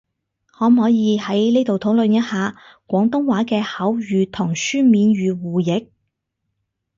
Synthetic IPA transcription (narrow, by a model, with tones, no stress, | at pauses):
hɔː˨˥m̩˨ɦɔː˨˥jiː˨˧hɐ˨˥jleː˥t̪o˨wt̪ʰʊ˨˥lɵ˨njɐ˥t̚haː˨kʷɔː˨˥ŋt̪ʊ˥ŋwaː˨˥kɛː˧hɐ˨˥wjyː˨˧t̪ʰʊ˨˩ŋsyː˥nmiː˨˧nɥyː˨˧wuː˨˩jɪ˨˥k̚